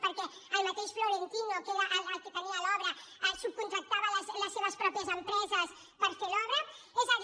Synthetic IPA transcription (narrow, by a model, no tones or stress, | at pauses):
poɾkɛ | almɐt̪eʃfloɾent̪inoɐkelaʔaaket̪eniɐalɔβɾɐ | asub̚kũnt̪ɾɐk̚t̪aβɐlɐslɐsːeβɐspɾɔpjɐzempɾezɐs | pɐɾfeɾɔβɾɐ | ezað